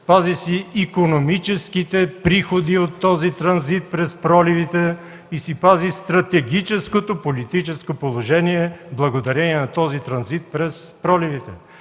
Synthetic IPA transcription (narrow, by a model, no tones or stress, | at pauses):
pazisiːkonomit͡ʃɛskit̪ɛpɾixod̪iot̪ːɔzit̪ɾɐnzit̪̚pɾɛspɾɔlivit̪ɛ | isipazist̪ɾɐt̪ɛɡit͡ʃɛskot̪opolit̪it͡ʃɛskopolˠoʒɛniɛblˠɐɡod̪ɐɾɛniɛnɐt̪ɔzit̪ɾɐnzit̪̚pɾɛspɾɔlivit̪ɛ